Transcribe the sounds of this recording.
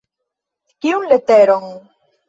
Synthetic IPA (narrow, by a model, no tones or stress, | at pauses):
kiunlet̪eɾoŋ